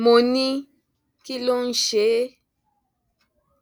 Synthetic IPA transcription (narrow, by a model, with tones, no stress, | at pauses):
mo˨ni˦ | ki˦lo˦n̩˦ʃe˨˦